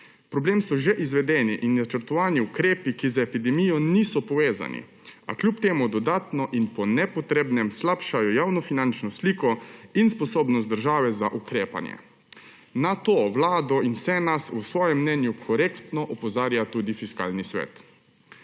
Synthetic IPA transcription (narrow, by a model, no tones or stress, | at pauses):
pɾɔbleːmsɔʒɛʔizʋɛd̪ɛːniʔinnat͡ʃəɾt̪ɔʋaːniukɾeːpikizaepid̪ɛmijɔniːsɔpɔʋeːza̰nḭ | a̰kljupt̪eːmud̪ɔd̪aːt̪nɔʔinpɔnɛpɔt̪ɾeːbnɛmslapʃajɔjaːwnɔfinant͡ʃnɔsliːkɔinspɔsoːbnɔst̪d̪əɾʒaːʋɛzaʔukɾeːpa̰njɛ̰ | nat̪oːʋlaːd̪ɔinwsɛnasusʋɔːjɛmːnɛnjukʰɔɾeːkt̪nɔʔɔpɔzaːɾjat̪uːd̪ifiska̰ːlnisʋɛ̰ːt̪